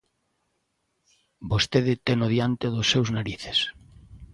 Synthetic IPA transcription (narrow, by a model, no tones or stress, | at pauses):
bost̪eðɪt̪ɛnʊðjant̪eðʊsːewznaɾiθe̥s